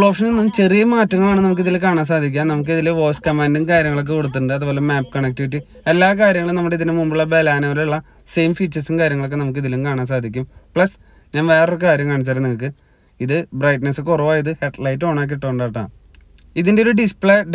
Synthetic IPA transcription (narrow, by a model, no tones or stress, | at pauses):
ɭo̞ːʂɐnɨnɐmt͡ɕe̞rijɐmaːtːɐŋːɐɭaːɳɨnɐmukːiðilkaːɳaːms̬aːd̪ʱik̬ʲːaːnnɐmuk̬ːiðileʋo̞ːskɐmaːndɨnkaːɾjɐŋːɐɭokːɨkoɽut̪ːuɳɖɨɐðuboːlemːaːpːkɐɳek̚ʈːɨiʈ̬ːi | elːaːkaːɾjɐŋɐɭumnɐmːuɽeiðinɨmumbiɭɐbelaːnoːluɭːɐ | sejmfiːt͡ɕːɐrsɨnkaːɾjɐŋːɐɭokːenɐmuk̬ːiðilumkaːɳaːns̬aːd̪ʱikʲːumpɭɐs | ɲaːnʋe̞ːrorkkaːɾjɐmkaːɳit͡ɕːaːɾeniŋːukːɨ | iðɨbrɐjʈnesɨkorɐʋaːjɐðɨheʈlɐjtːo̞ːɳaːk̬ːiʈːoːɳɖaːʈːa̰ːɳ | iðindeoɾuɖispɭe